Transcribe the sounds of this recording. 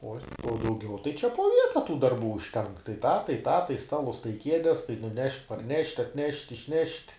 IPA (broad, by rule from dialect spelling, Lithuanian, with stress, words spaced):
ˈoː oː dɐʊˈɡʲɛʊ tɐɪ t͡ʃʲɛ poː ˈʋʲiɛtɐ tuː dɐrˈbuː ʊʃʲˈtʲɛŋk tɐɪ tɑː tɐɪ tɑː tɐɪ ˈstɑːlˠʊs tɐɪ ˈkʲiɛdʲɛs tɐɪ nʊˈnʲɛʃʲtʲ pɐrʲˈnʲɛʃʲtʲ ɐtʲˈnʲɛʃʲtʲ ɪʃʲˈnʲɛʃʲtʲ